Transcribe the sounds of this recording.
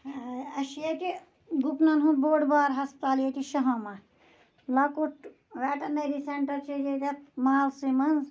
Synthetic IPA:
ɐʃijɐt̪i | ɡupnɐnɦũboːɖbaːɾɦɐst̪aːlijet̪iʃɐɦɐ̃ma | lɐkuʈ | ʋɛːʈɐneɾiseɳʈɐɾt͡ʃʰed͡ʒet̪ɐmaːlsimɐnz

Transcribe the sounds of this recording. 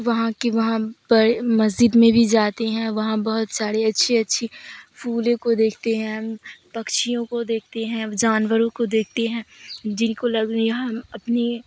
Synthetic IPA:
ʋɐɦãkeʋɐɦãpɐɾmɐzd͡ʒɪd̪mẽbʱid͡ʒaːt̪eɦɛ̃ʋɐɦãbɐɦʊt̪saːɽeɐtːʃʰeɐtːʃʰifʰuːlẽkod̪eːkʰt̪eɦɛ̃pɐkʃijõkod̪eːk̚ʰt̪eɦɛ̃d͡ʒaːnʋəɾõkod̪eːk̚ʰt̪eɦɛ̃ːd͡ʒɪnkolɐɡɦɐmɐpne

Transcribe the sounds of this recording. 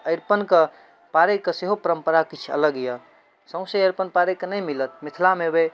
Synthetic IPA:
əɪɾpənkə | paɾekːeseɦopəɾəmpəɾakit͡ʃʰə̰ləɡjə | sə̃ʊ̃seəɾpənpaɾekːənəjmilət̪̚mit̪ʰlamebe

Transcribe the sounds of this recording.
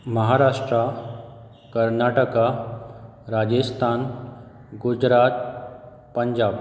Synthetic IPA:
məɦaɾaʂʈɾa | kəɾnaʈəka | ɾad͡ʑəst̪ʰan | ɡud͡ʑɾat̪̚ | pəɲd͡ʑab

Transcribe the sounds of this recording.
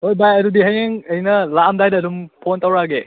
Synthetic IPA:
hojbajɐɾudiɦajeŋɐjnɐlamdajdɐːdumpʰontawɾaɡe

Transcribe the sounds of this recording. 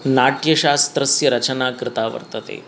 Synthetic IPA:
naːʈjɐɕaːst̪ɾɐsjɐɾɐt͡ʃənaːkɾɪt̪aːʋə̰ɾt̪ət̪ḛː

